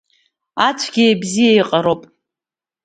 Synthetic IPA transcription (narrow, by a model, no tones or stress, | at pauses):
at͡sʷʰɡʲiebzijaiqʼaɾowpʼ